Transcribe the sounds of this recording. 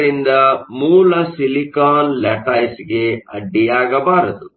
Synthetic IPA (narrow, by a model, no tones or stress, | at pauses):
ɾind̪ɐmuːlɐsilikaːnlɛʈaːjsɡeɐ̰ɖijaːɡɐbaːɾɐt̪u